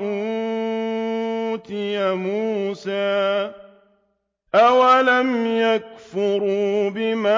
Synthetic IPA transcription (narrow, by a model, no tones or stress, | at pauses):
ʔu | t̪ɪjamuːsaː | ʔawalamjak̚fʊɾubɪma